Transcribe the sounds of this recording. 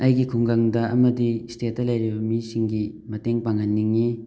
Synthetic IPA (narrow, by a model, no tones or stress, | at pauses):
ɐjɡikʰuŋɡaŋdɐʔɐmɐdistet̚dɐlɐjɾibɐmisiŋɡi | mɐteŋpaŋanːiŋːi